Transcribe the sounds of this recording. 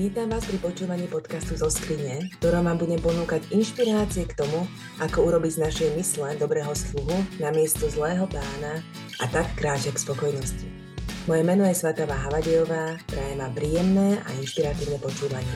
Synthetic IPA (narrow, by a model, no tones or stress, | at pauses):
ʋiːt̪amʋaːspɾipɔt͡ʃuːʋaɲiːpɔt̪kast̪uzɔskɾiɲɛkt̪ɔɾɔːmaːmbuɟɛmpɔnuːkaɟinʃpiɾaːt͡siɛkt̪ɔmu | akɔuɾɔbiɟznaʃɛjmislɛd̪ɔbɾɛːɦɔsluɦunamɪɛst̪ɔzlɛːɦɔpaːna | a̰t̪akːɾaːt͡ʃɛkspɔkɔjnɔsci | mɔjɛmɛnɔjɛsʋɛt̪aʋaːɦaʋaɟɛjɔʋaːp̪ɾɛjɛmaːpɾiːjɛmnɛːʔa̰inʃpiɾat̪iːʊnɛpɔt͡ʃuːʋaɲɪɛ